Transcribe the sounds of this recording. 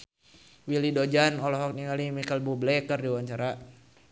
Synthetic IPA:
wilidod͡ʒanɔlɔɦɔk̚niŋalimikəlbublɛkərdiwaɲt͡ʃaɾa

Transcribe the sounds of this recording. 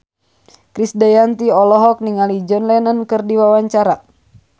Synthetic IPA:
kɾisdajant̪iɔlɔɦɔk̚niŋalid͡ʒɔnlɛnankɨrdiwawaɲt͡ʃaɾa

